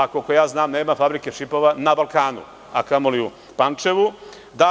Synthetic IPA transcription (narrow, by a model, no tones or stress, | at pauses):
akokojaːznaːmne̞ːmafabɾikeʃipo̞ʋanabalkaːnṵ | a̰kamoliu | pant͡ʃe̞ʋu | d̪a